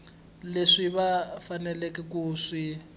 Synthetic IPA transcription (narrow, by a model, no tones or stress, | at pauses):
leʂiβafanɛlɛkɛk̬ʼuːʂi